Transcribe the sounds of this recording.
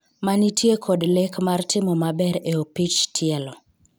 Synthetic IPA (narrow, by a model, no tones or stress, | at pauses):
manitʰjekʰodlekmartɪmɔmabɛɾeopit͡ʃtʰɪɛlɔ